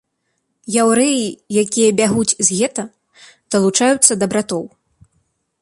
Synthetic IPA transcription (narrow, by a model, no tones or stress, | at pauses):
jawɾɛjijakʲijɐbʲaɣut͡sʲzʲɣʲɛt̪ɐ | d̪̥ɐlˠut͡ʂajut̪sːɐd̪ɐbɾat̪ɔw